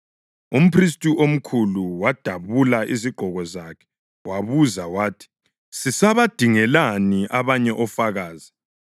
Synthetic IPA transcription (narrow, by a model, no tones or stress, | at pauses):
um̩pʰris̬tʼuʔom̩kʰuluwad̥ʱaβulaʔiziɡ͡ǃ̥ʱɔɣɔzakʰɛ̥ | waβuzawaːtʰi̥ | sisaβad̥ʱiŋɛlaniʔaβaɲɛʔɔfaɣaːzi